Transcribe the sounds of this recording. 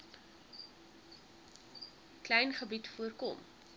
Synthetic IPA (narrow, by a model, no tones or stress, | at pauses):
klɛjnχəbitfuərkɔm